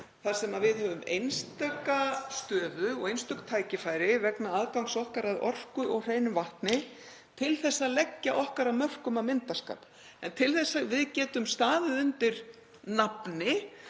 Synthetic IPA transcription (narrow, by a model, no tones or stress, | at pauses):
θḁsɛmavɪðhœvʏmḛjnst̪œkast̪œːðʏɔɣejnst̪ʏkt̪ʰaːjcɪfaːjɾɪvɛknaaðkawŋsɔhkaɾaðɔ̰r̥kʏʔɔɣr̥eːjnʏvaht̪nɪ | t̪ʰɪlθɛsːaðlɛcːaʔɔhkaɾamœr̥kʏmaðmɪnt̪aska̰ːp | ɛnt̪ʰɪlθɛsːavɪðcɛːt̪ʏmst̪aːðɪðʏnt̪ɪɾ | napnɪ